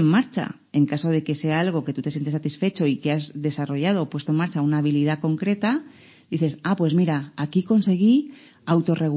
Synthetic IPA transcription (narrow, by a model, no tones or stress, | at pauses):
mːaɾt͡ʃa̰ | e̞ŋkaso̞ð̞e̞ke̞se̞aalɣ̞o̞ke̞t̪ut̪e̞sjent̪esat̪isfe̞t͡ʃo̞ikeazðe̞saro̞ʝað̞o̞ːpwe̞st̪oe̞maɾt͡ʃaunaːβilið̞ako̞ŋkɾe̞t̪a | d̪iθe̞sapwe̞zmiɾaːkiko̞nse̞ɣi | awt̪o̞re̞ɣ